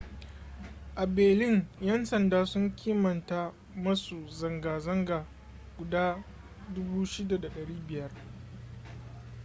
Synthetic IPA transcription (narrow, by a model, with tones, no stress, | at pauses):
ʔa˨beː˨lɪ˦ŋjɐ˦nsɐ˨ndaː˦sʊ˦ŋkʲʰiː˦mɐ˨ntaː˦ | mɐ˦su˨zɐ˨ŋɡaː˨zɐ˦ŋɡaː˨ | ɡ̥ʷʊ˨daː˦ | dʊ˦buː˦ʃɪ˦da˨da˨ɗɐ˨ɽiː˦bɪ˨jɐ˦r